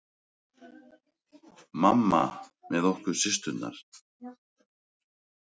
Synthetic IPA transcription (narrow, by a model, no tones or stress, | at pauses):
mamːa̰mɛðɔhkʏɾ̥sɪst̪ʏt̪nːa̰ɾ̥